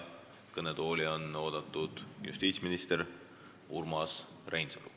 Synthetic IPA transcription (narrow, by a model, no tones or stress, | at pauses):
kɤned̪o̞ːlʲio̞no̞ːd̪̥ɑt̪ːˑud̪̥jṵst̪iːt̪sʲminist̪eɾ | urmɑs | rʔejnselṵ